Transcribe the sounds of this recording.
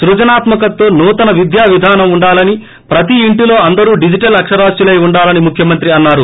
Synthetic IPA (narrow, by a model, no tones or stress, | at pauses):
sɾud͡ʒɐnaːt̪mɐkɐt̪ːoːnuːt̪ɐnɐʋid̪jaːʋid̪ʱaːnɐmuɳɖaːlɐni | pɾɐt̪̬iːɳʈilo̞ːɐnd̪ɐɾuːɖid͡ʒiʈɐlɐkʂɐɾaːsjulɐjuɳɖaːlɐnimukʰjɐmɐnt̪ɾiɐnːaːɾu